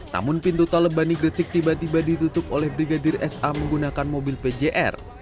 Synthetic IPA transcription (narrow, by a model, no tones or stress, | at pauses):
na̰mʊnpint̪ut̪aləbaniɡɾəsɪk̚t̪ibat̪ibadit̪ut̪ʊpolɛhbɾiɡadɪrɛsʔaməŋɡunakanmobɪlped͡ʒeʔɛ̰r